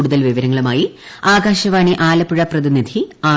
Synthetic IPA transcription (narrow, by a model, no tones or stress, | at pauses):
ɽuðɐlʋiʋɐɾɐŋːɐɭumaːjiaːɡaːɕɐʋaːɳiʔaːlɐpːuɻɐprɐðinid̪ʱiaː